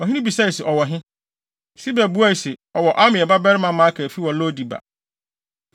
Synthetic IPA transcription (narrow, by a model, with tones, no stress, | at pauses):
ɔ˨ɦɪ̃˦nʊ̃˦bi˨sa˦i˨sɛ˨ʔɔ˨wɔ˨ɦɪ̃˦ | si˦bɛ˨bu˦a˦˨sɪ˨ɔ˨wɔ˨ʔa˦mɪ̃˨ɛ˨ba˦bɛ˦ɾɪ˦mã˨mã˨˦kʰɛ˨fi˦wɔ̃˨lo˦di˨ba̰˨